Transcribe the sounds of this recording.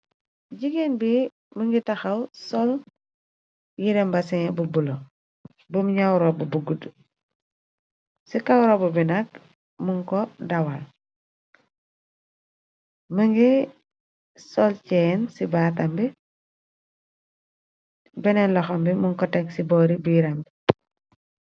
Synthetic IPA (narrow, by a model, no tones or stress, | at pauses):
ɟiɡenbi | məŋɡitɐxɐwsɔl | jiɾɛmbɐsiŋɛbubulɔ | bumɲawɾɔbubuɡud | sikɐwɾɔbubinɐk | muŋkɔdɐwal | məŋɡi | sɔlcɛnsibaːtɐmbi | bɛnɛnlɔxɐmbimuŋkɔtɛksibɔːɾibujiɾɐmbi